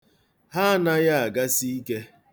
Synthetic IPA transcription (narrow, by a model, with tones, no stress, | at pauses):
ɦa˦na˦ja˦a˨ɡa˦si˦i˦ke˦